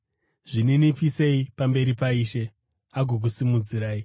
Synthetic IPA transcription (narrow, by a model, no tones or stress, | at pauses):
ʐ̥ininipise̞ipambe̞ɾipaiːʃe̞ | aɡʱok̬usimud͡ziɾaːi